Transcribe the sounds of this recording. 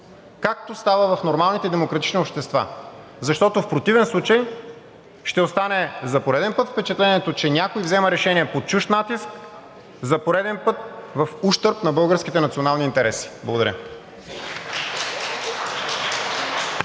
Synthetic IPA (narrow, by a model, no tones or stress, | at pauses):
kak̚t̪ost̪avəvɐfnoɾmalˠnit̪ɛd̪ɛmokɾɐt̪i̥t͡ʃniopʃt̪ɛst̪va̰ | zɐʃt̪ɔt̪ofpɾot̪ivɛnslˠut͡ʃəj | ʃt̪ɛost̪anɛzɐpoɾɛd̪ɛnpɤt̪fpɛt͡ʃɛt̪lɛniɛt̪ot͡ʃɛnʲakoivzɛməɾɛʃɛniɛpot͡ʃuʃt̪nat̪isk | zɐpoɾɛd̪ɛnpɤt̪̚vɐfuʃt̪ɤɾpnɐbɤlˠɡəɾskʲit̪ɛnɐt̪sionalˠniːnt̪ɛɾɛsi̥blˠɐɡod̪ɐɾʲjə̰